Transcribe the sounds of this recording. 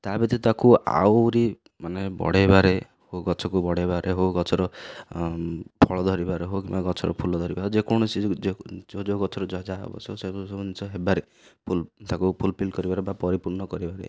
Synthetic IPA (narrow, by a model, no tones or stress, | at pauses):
t̪abit̪it̪akua̰wɾi | manebɔ̰ɽebaɾe | hoɡɔt͡ʃʰɔkubɔɽebaɾʔeɦoɡɔt͡ʃʰɔɾɔ | pʰɔɭɔd̪ʱɔɾibaɾeɦokimaɡɔt͡ʃʰɔɾɔ̰pʰulɔd̪ʱɔɾibaɦod͡ʒekɔñɔsid͡ʒod͡ʒoɡɔt͡ʃʰɔɾɔd͡ʒɔd͡ʒaḛbɔ̰sʰɔsekusɔbunit͡ʃɔɦebaɾe | pʰult̪akupʰulpʰilkɔɾibaɾebapɔɾipuɾɳɔkɔɾibaɾḛ